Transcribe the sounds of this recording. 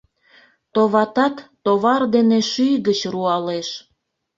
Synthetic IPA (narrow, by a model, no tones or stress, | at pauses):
t̪oβɑt̪ɑt̪ːoβɑrd̪eneʃyjɣət͡ɕruɑleʃ